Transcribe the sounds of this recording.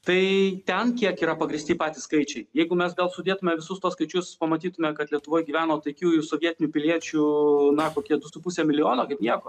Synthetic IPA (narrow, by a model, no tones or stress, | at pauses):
t̪ɐɪt̪ʲɛnkʲiɛkiːɾɐpɐɡɾʲɪsʲt̪ʲiːpɑːt̪ʲiːskɐɪt͡ʃʲɛɪjɛɪɡʊmʲɛsɡɐlˠsʊd̪ʲeːt̪ʊmʲɛʋʲɪsʊst̪uɔskɐɪt͡ʃʲʊspɐmɐt̪ʲiːt̪ʊmʲɛkɐt̪lʲiɛt̪ʊʋoːjɡʲiːʋʲæːnoːt̪ɐɪkʲuːɪsoʋʲiɛt̪ʲɪnʲuːpʲɪlʲiɛt͡ʃʲunɐkoːkʲiɛd̪ʊsʊpusʲɛmʲɪlʲɪjoːnoːkɐɪpnʲiɛkoː